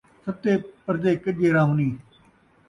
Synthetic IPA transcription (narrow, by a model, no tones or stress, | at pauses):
sɐb̚t̪eːpəɾd͡ʒeːkəʄeːɾãːɦuːniː